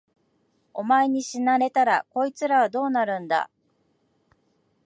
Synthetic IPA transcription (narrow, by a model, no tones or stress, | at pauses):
o̞maeɲ̟iɕinaɾe̞t̪aɾa̰ko̞it͡sɨɾaβad̪o̞ːnaɾɯ̟̃nd̪a̰